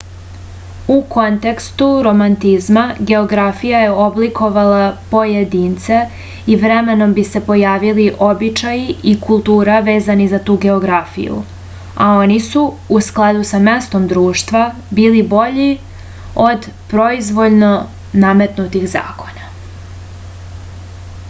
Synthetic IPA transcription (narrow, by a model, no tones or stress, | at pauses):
uko̞nt̪e̞kst̪uɾo̞mant̪izmaɡe̞o̞ɡɾafijaje̞o̞blikʰo̞ʋalapo̞jed̪iːnt̪se̞ | iʋɾeme̞no̞mbise̞po̞jaːʋiliʔobit͡ʃajiikulˠt̪uːɾaʋe̞ːzanizat̪uːɡe̞o̞ɡɾafḭjṵ | ao̞nisu | usklˠad̪usame̞st̪o̞md̪ɾuːʃt̪ʋa | biːlibo̞ʎi | o̞d̪pɾo̞izʋo̞ʎno̞ | name̞t̪nut̪ixza̰ːko̞̥na